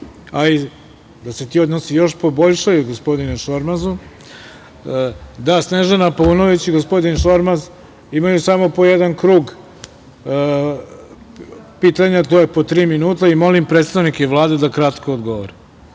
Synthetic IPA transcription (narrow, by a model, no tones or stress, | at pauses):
ai | d̪aset̪io̞d̪nosijo̞ʃpo̞bo̞ʎʃajuɡo̞spo̞d̪ineʃo̞ɾmazu | d̪asne̞ʒenapouno̞ʋit͡ɕiɡo̞spo̞d̪inʃo̞ɾmaz | imajusamo̞po̞je̞d̪ankɾuːɡ | pit̪aɲat̪ojepo̞t̪ɾiːminuːt̪aimo̞limpɾet̪st̪aʋnikeʋlˠaːd̪ed̪akɾat̪kood̪ɡo̞ʋoɾe